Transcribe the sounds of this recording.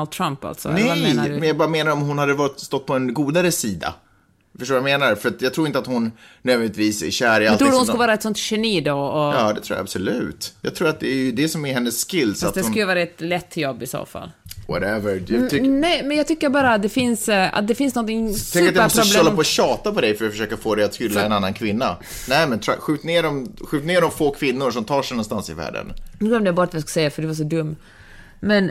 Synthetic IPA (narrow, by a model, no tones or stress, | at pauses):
ld̪̚t̪ʰɾampa̰lt̪sɔ̰n̰ɛmɛnjɑːɡbɑːɾameːnaɾɔmɦʊnhad̪ːəvɑːɾɪt̪st̪ɔt̪ːpʰɔɛnɡuːd̪aɾəsiːd̪a̰ | fœʂʈoːvjameːnaɾfœɾat̪jɑɡt̪ʰɾuːɾɪnt̪at̪hʊnːøːdvɛnt̪viːsæ̰ɾɕæːɾɪalʰɾuːd̪əhʊnskləvɑːɾaɛt̪sɔnt̪ɕɛniːd̪ɔɔjɑːd̪ɛt̪ʰɾuːj̰a̰a̰bsɔlʉ̟̰ːt̪jɑːɡt̪ʰɾuːɾat̪̚d̪ɛːjɵd̪ɛsɔmɛɾɦɛnːəsːkɪlːsɔat̪d̪ɛsnklːəvɑːɾaɛt̪lɛt̪ʰːjɔbːɪso̰ːfa̰lːwɔ̰ɾɛvəɾʰnɛjmɛnjɑːɡ̚t̪ʰʏkːəɾbɑːɾaat̪̚d̪ɛfɪnsa̰t̪̚d̪ɛfɪnsnɔnt̪ɪŋʰɛŋkːɾat̪jɛmmɔspɾɾʊstlɔlːapɔːɕɑːt̪apɔd̪ɛjfœɾat̪fəʂøːkafoːd̪ɛjat̪hʏlːaɛnanːankʰvɪnːa̰nɛɪmɛnt̪ʰɾɧʉ̟ːt̪neːɖɔmɧʉ̟ːt̪neːɖɔmfoːkʰvɪnːʊʂɔmt̪ʰɑːʂɛɪnɔnst̪ansɪ̰væ̰ːɖə̰nɾuːɔmd̪ɛbɑɾat̪vjiːskḁsɛjːafœɖɛvaʂ̬ɔd̪ɵmː | mɛn